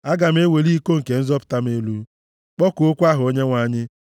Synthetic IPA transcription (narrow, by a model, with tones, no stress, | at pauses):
a˦ɡa˨m̩˦e˦we˨li˦ko˦ŋ̩˨ke˨n̩˦zɔ˦pʊ̥˨ta˦m˦e˦lu˦ | k͡pɔ˦kʊ˨o˦kʷa˦ɦʊ˨o˦ɲe˦ŋʷa˨ɲɪ˦